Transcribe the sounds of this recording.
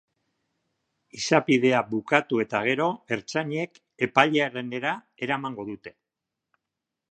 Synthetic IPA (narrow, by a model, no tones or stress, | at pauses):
isapiðe̞abukat̪ue̞t̪aɣ̞e̞ɾo̞e̞ɾt͡saɲe̞k | e̞paʎeaerene̞ɾa | e̞ɾamaŋɡo̞ðut̪e̞̥